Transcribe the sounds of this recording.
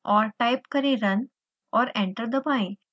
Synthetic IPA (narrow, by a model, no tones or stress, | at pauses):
ɔɾʈajpkəɾiɾən | ɔːɾẽɳʈəɾd̪əpãĩ